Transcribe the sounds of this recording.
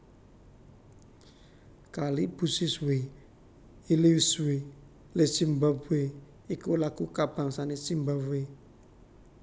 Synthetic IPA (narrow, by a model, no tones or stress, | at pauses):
kalib̥usiswe | iliwiswe | lesimbape | ikolakukab̥aŋsanesimbape